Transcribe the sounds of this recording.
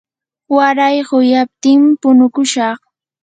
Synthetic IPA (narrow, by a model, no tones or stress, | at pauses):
waɾajɢʊjap̚t̪ɪŋmpʊnʊkʊʃɑχ